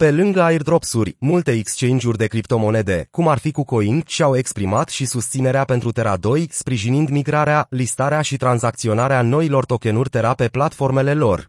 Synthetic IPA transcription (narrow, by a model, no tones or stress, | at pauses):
pe̞lɨŋɡəaird̪ɾo̞psurʲmult̪e̞ekst͡ʃe̞nd͡ʒurʲd̪e̞kɾipt̪o̞mo̞ne̞d̪e̞kumarfikuko̞int̪ʃiawe̞kspɾimat̪ʃisust̪sine̞ɾeape̞nt̪ɾut̪e̞ɾad̪o̞jspɾiʒinind̪miɡɾaɾealist̪aɾeaʃit̪ɾanzak̚t̪sio̞naɾeano̞ilo̞rt̪o̞ke̞nurʲt̪e̞ɾape̞plat̪fo̞rme̞le̞lo̞r